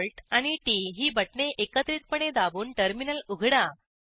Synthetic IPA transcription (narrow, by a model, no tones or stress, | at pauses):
lʈaɽ̃iʈiɦiːbəʈɳeʔekət̪ɾiːt̪̚pəɳed̪abuːnʈəɾminəluɡʱɽa